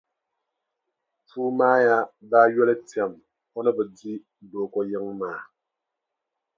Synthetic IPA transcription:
fuː˦maː˦ja˦baː˦jɛ˦lɛ˦ti˨a˨m | hɔ˦nə˦bə˨di˦ | do˨kɔ˦jə˦ŋmaː˨

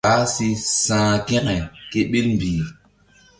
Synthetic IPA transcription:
a˨˦si˦sãː˦kɛ̃˦kɛ˨ke˦ɓi˦lmbiː˨

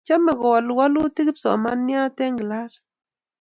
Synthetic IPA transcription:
t͡ʃa˦mɛ˨ɡɔ˨wa˨lwa˦lu˦ti˦ki˦psɔ̰˨ma˦nɪ˦a˦tɛ˦ŋɡla˦s

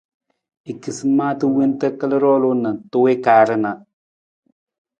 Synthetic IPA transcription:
i˨ki˨sɨ˦ma˦tɨ˦we˦ntə˦kə˦lə˦ɾɔ˦lo˦na˨to˦we˦kaː˨˦ɾə˦na˨

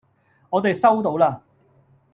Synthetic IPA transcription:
ŋɔː˨˧t̪e˨jsɐ˥wt̪̬o˨˥wlaː˧

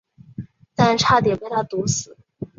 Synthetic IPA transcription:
t̪a˥˧nʈ͡ʂʰa˥t̪jɛ˨˩pe˥ɪt̪ʰa˥˩t̪u˧˥sɹ̩˨˩˦

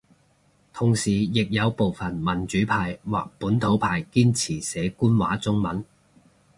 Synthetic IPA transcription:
t̪ʰʊ˨˩ŋsiː˨˩jɪ˨k̚jɐ˨˧wpo˨wfɐ˨˩nmɐ˨˩nt͡ʃyː˨˥pʰaː˨jwa̰ː˨k̚puː˨˥nt̪ʰo˨˥wpʰaː˨jkiː˥nt͡sʰiː˨˩sɛː˨˥kuː˥nwa̰ː˨˥t͡sʊ˥ŋmɐ˨˥n

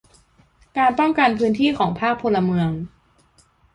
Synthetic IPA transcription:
kaː˧npɔ˥˩ŋka˧npʰɯː˦˥nt̪ʰiː˥˩kʰɔː˩˦ŋpʰaː˥˩k̚pʰo˧la˧mɯ˧əŋ

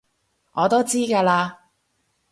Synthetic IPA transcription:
ʔɔː˨˧t̪o˥wt͡siː˥kaː˧laː˧

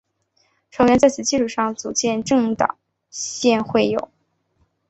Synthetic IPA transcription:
ʈ͡ʂʰɤ˧˥ŋɥɛ˧˥nt͡sa˥˩ɪt͡sʰɹ̩˨˩t͡ɕi˥˧ʂu˥˩ʂɑ˥˩ŋt͡su˨˩t͡ɕjɛ˥˧nʈ͡ʂɤ˥˧ŋt̪ɑ̰˨˩˦ŋ | ɕjɛ˥˧nxwe˥˩ɪjo̰˨˩˦ʊ

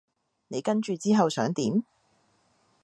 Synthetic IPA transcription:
ne˨˧jkɐ˥nt͡ʃyː˨˧t͡siː˥ɦɐ˨wsœː˨˥ŋt̪iː˨˥m

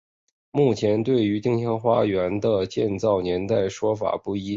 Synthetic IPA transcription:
mu˥˩t͡ɕʰjɛ˧˥nt̪̬we˥˩ɪy˧˥t̪i˥ŋɕjɑ˥ŋxwa˥ɥɛ˧˥nd̪ə˧t͡ɕjɛ˥˧nt͡sɑ˥˩ʊnjɛ˧˥nt̪a˥˩ɪʂwɔ˥fa̰˨˩pu˥˩i˥

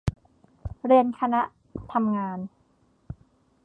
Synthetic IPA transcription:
ɾi˧ənkʰa˧na˦˥ʔ | t̪ʰa˧mŋaː˧n

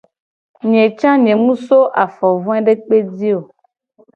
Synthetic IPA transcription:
ɲẽ˨t͡ʃã˦ɲẽ˨mũ˦so˦ʔa˨fɔ˨vɔ̃˦ɛ̃˦ɖe˦k͡pe˦di˦o˨

